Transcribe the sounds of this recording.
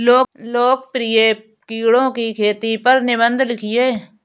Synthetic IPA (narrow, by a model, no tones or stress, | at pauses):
loːloːk̚pɾɪje | kiːɽõkikʰeːt̪ipɐɾnɪbə̃nd̪ʱlɪkʰijeː